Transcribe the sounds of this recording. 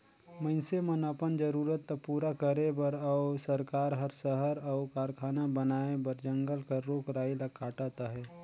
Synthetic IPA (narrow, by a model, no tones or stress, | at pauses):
məɪnsemənapənd͡ʒəɾuːɾət̪ːapuːɾakəɾebəɾaːsəɾkaːɾɦəɾsəɦəɾaːkaːɾkʰaːnabənaːebəɾd͡ʒə̃ŋɡəlkaɾoːkɾaːilakːaːʈaːt̪aɦɛː